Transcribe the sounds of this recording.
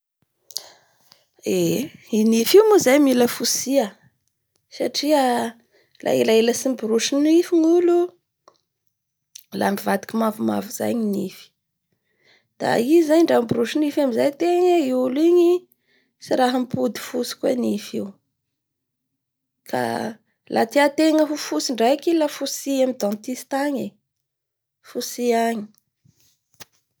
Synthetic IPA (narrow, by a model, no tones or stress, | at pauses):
einifiumuzajmiləfusiə | saʈ͡ʂiə | lʔa̰elaeləsimbuɾuʃinifiŋulu | la̰mivad̪i̥kʲimavuma̰vuz̥a̰ɲinifi̥ | d̪̥a̰izaɲɳɖ͡ʐambuɾuʃunifamizajt̪eŋəiuliɲi | siɾaɦəmpud̪i̥fusi̥kuenifiu | kʰa̰ | lʔa̰t̪iat̪eŋəɦufusiɳɖ͡ʐajkilafusiamid̪ɔ̃nt̪ist̪aɲe | fusiaɲi̥